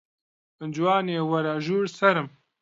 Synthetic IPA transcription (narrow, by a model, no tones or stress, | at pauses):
ɨnd͡ʒuwaːneːwɐɾaʒuːɾsɐɾɨm